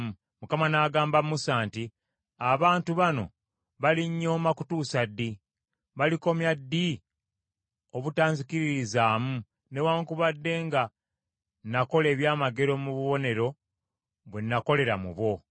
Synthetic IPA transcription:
mu | mukamanaːɡaːmbamusaːnti | aβaːntuβano̞̰ | βaliɲːo̞ːmakutuːsadːi | βaliko̞mjadːi | o̞βutaːɲzikiɾiɾizaːmu | ne̞waːŋkuβadːe̞ŋɡa | nako̞le̞ːβjaːmaɡe̞ɾo̞muβuβo̞ne̞ɾo̞ | βwenːako̞le̞ɾamṵβo̞

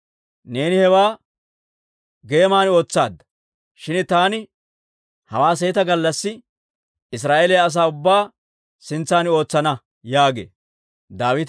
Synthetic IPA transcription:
ne̞ːnɪhɛwaː | ɡe̞ːmaːno̞ːt͡sːa̰ːd̪ːɐ̥ | ʃɪnt̪aːnɪ | hɐ̰waːs̬eːt̪ɐɡɐlːɐsːɪ | ɪs̬ɾaːʔelɛjɐːs̬aːʊbːaː | sɪnt͡sːaːno̞ːt͡sːɐnɐ | jaːɡe̞̰ː | d̪aːwɪt̪

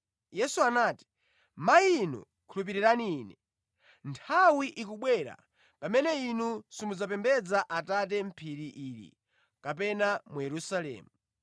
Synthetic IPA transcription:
jɛsuanaːti̥ | mainṵ | kʰulup̬iɾiɾaniiːnɛ | ntʰawiʔik̬uɓwɛɾa̰ | pamɛnɛinusimud͡zapɛmbɛd͡zaʔatat̬ɛm̩pʰiɾiʔiːɾḭ | kapɛnamujɛɾusalɛ̰ːmu

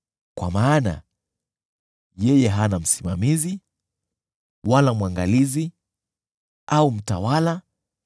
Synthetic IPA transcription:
kwa̰maːna̰ | jɛjɛɦanam̩simamizi | walamwaŋɡalizi | aum̩tawala

